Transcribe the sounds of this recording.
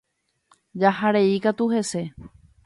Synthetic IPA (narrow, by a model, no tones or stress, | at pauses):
d͡ʒahaɾe̞ikat̪uhe̞se̞